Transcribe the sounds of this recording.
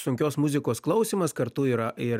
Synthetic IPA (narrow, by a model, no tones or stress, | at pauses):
sʊŋʲkʲoːsmʊzʲɪkoːsklˠɐʊsʲiːmɐskɐɾt̪ʊiːɾɐɪ